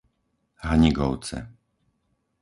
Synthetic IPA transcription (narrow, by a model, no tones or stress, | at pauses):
ɦaɲiɡɔʊt͡sɛ̰